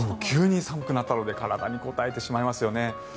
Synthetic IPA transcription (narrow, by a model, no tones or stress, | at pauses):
ookʲʰɨːɲ̟isamɯ̟kɯnat̪ːano̞d̪e̞kaɾad̪a̰ɲ̟iko̞t̪aet̪e̞ɕimaimasɨjo̞ne̞